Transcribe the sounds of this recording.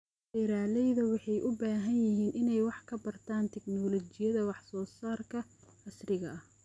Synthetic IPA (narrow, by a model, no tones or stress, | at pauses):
fɛɾaːlɛjðɐwɑħɑjʔʊbaːɦɐnjɪɦiːnʔɪnɛjwɑħkʰɐbɐrt̪ʰaːnt̪ʰɛknɔːlɔt͡ʃɪjɐðɐwɑħsɔːsaːrkʰɐɐsrɪɣɐ̰ɐh